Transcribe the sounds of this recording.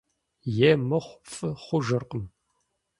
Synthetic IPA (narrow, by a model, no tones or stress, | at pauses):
jemɐχʷfʼɨχʷʊʒɐrqʼəm